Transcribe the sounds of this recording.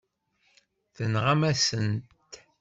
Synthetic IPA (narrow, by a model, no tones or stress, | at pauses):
θənʁamæsənt̪